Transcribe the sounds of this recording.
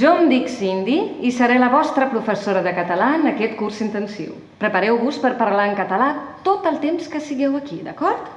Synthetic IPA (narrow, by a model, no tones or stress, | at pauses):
ʒɔmd̪iksind̪iisəɾɛləβɔst̪ɾəpɾufəsoɾəðəkət̪əlaənəkɛt̪kursint̪ənsḭw | pɾəpəɾɛwβuspəɾpəɾlaəŋkət̪əlat̪ot̪əlˠt̪emskəsiɣɛwəkid̪əkɔɾt̪